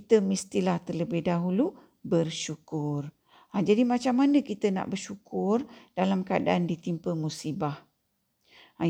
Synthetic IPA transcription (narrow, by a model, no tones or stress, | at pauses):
kit̪əmist̪ilaht̪ərləbɪhdaɦulu | bərʃukʊr | ad͡ʒadimat͡ʃamːanəkit̪əna̰ʔbərʃukʰʊrd̥alamkəadaʔandit̪impəmusibah